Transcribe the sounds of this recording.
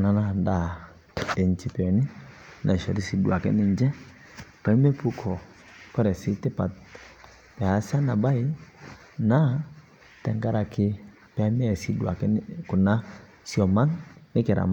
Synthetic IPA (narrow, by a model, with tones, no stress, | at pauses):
na˨na˦˨nda˦˨ | dɛ˨ɲ˦t͡ʃi˨pɛ˨˦ni˦ | nʔa˨ʃa˨ɾi˦si˨du˨a˨kɛ̰˦nɪ˦˨ɲd͡ʒɛ˦ | pa˨i˦mɛ˦pu˦kʰɔ˨ | kwɛ˦ɾɛ˨si˦tɛ˦pa˨t | pɛ˨ha˨˦sa˦na˨ba˦i˦ | na˦ | tɛ˨ŋɡa˦ɾa˨kɪ˦ | pɛ˦mɛ˦˨si˦du˨a̰˨kɛ˦ku˨na˦ | si˦ɔ˨ma˦ŋnɪ˦kɛ˨ɾa̰˨m˦